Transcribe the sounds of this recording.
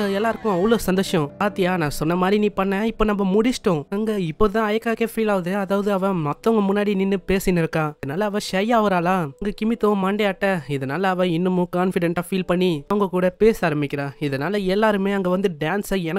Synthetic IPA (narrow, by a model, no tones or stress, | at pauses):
ɐɛlːaːɪɾɯkːʊ̃ɐʋɭoːsɐnd̪oːʂɐ̃aːt̪ːɪjaːnãːsɔnːɐmaːd̪ɾiniːpɐɳːɛ̃ːɪpːoːnɐmːɐmʊɽɪsʈːʊ̃ɐŋɡɐɪpːoːt̪ãːɐjɐkːaːkeːfiːlaːɯðɯɐðaːʋɐðɯɐʋɛ̃mɐt̪ːɐ̃ŋɡɐmʊnːaːɽinɪnːɯpeːsɪnɪɾɯkːãːɪðɐnaːlɐːʋɐ̃ʃɐjaːʋɯɾaːlãːŋɡɐkɪmɪt̪ːõmaːɳɖeaːʈːɛɪðɐnaːlɐːʋɛ̃ɪnːɯmʊ̃kaːnfɪɽɛɳʈaːfiːlpɐɳːiɐʋɐŋɡɐkuːɽɐpeːsaːɾɐmbɪkʲːɪɾãːɪðɐnaːlɐɛlːaːɾɯmeːɐŋɡɐʋɐnd̪ɯɖaːnsaɛnɐ